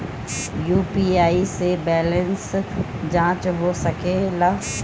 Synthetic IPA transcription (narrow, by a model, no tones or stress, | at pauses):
juːpiaːisebɛːlə̃ns | d͡ʒãːt͡ʃɦosɐkelaː